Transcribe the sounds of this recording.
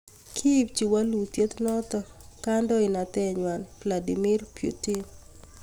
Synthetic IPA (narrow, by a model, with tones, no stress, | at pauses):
kʰi˦p̚t͡ʃi˨wa˦lu˨t̪je˦t̪nɔ˦t̪ɔka˦ndɔ˦ɪ˨na˨t̪ɛ˦ɲwa˨nbla˨di˨mi˦rpjṵ˨ti˦n